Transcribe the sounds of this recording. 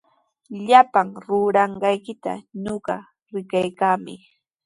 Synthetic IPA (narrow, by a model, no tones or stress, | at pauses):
ʎapaŋɾʊɾɑɴɢɑjkɪt̪a̰ɲoɢɑ | ɾɪkajkaːmɪ